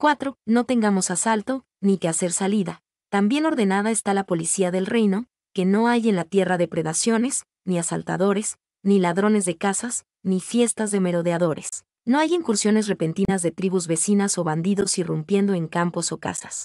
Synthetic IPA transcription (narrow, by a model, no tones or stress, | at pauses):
kwat̪ɾo̞no̞t̪e̞ŋɡamo̞sasalt̪o̞ | nike̞ase̞ɾsaliða | t̪ambje̞no̞ɾðe̞nað̞ae̞st̪alapo̞lisiaðe̞lre̞jno̞ | ke̞no̞aje̞nlat̪je̞raðe̞pɾe̞ðasjo̞ne̞s | niasa̰lt̪a̰ðo̞ɾe̞s | nilaðɾo̞ne̞zðekasas | nifje̞st̪azðe̞me̞ɾo̞ðeaðo̞ɾe̞s | no̞ajiŋkuɾsjo̞ne̞s̬re̞pe̞nt̪inazðe̞t̪ɾiβuzβe̞sinaso̞βand̪iðo̞sirumpje̞nd̪o̞e̞ŋkampo̞so̞ka̰sḁs